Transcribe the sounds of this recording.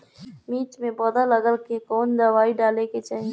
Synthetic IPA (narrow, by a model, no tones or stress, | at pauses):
miːʈmẽbɔːd̪aləɡəlkekɔːnd̪ɐʋaːiɖaːleket͡ʃaːɦi